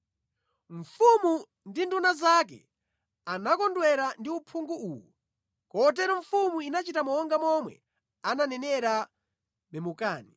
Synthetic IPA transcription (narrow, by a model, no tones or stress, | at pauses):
ɱ̩fumu | ndindunazak̬ɛ̰ | anakɔndwɛɾandiupʰuŋɡuuwɔ | kɔt̬ɛɾɔɱfumuinat͡ʃitamɔɔŋɡamɔmwɛ̰ | ananɛnɛɾa | mɛmukaːni